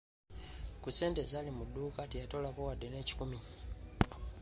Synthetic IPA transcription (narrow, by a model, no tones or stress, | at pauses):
kuse̞ːntezalimuduːkatijatolakowadeneːci̥kumi